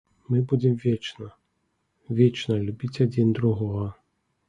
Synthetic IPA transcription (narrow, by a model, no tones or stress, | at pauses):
mɨbud͡zʲɛmvʲɛt͡ʃnɐ | vʲet͡ʂnɐlʲubʲit͡sʲad͡zʲind̪ɾuɣɔɣɐ